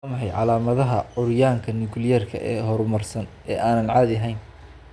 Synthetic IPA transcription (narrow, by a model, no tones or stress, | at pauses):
mɐħɛjʕɑlaːmɐðɐɦɐʕʊɾjaːŋkʰɐnɪɡʊljɐrkʰɐ̰ʔɛːɦɔɾmɐrsɐn | ɛːʔaːnɐnʕaːðɪɐɦɛjn